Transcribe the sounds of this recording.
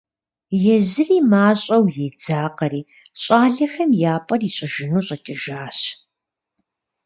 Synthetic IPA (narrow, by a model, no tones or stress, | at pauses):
jɛzɨriːmaːɕʼɐwjɛd͡zaːqɐɾiːɕʼaːɮɐxɐmjaːpʼɐriːɕʼɐʒɪnuːɕʼɐt͡ʃʼɪʒaːɕ